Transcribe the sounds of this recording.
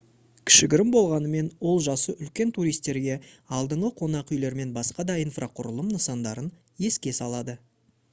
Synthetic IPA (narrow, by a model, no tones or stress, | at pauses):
kʲʰɪ̥ʃɪɡʲɪɾɪmbo̞lˠʁɑnəme̞nwo̞lˠʒɑsəʔʏlkʲe̞nt̪ʰuɾijst̪e̞ɾɡʲe̞ɑlˠd̪əɴəqʰo̞nɑqʏjle̞ɾme̞nbɑsqɑd̪ɑijnfraqʰʊɾəlˠəmnəsɑnd̪ɑɾən | je̞skʲe̞sɑlˠɑd̪ə